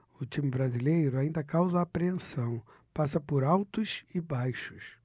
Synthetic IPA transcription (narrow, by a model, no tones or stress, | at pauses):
ʊt͡ʃimɪbɾazilejɾʊaĩnd̪ɐkawzɐaːpɾeẽsɐ̃w̃ | pasɐpʊɾawt̪ʊsɪbajʃʊ̥s